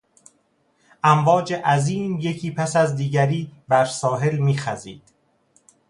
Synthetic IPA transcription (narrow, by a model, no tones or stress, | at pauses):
ʔæmvɒːd͡ʒe̞ʔæziːmje̞cʰiːpʰæsæzd̪iːɟæɾiːbæɾsɒːɦe̞lmiːxæzḭːd̪̥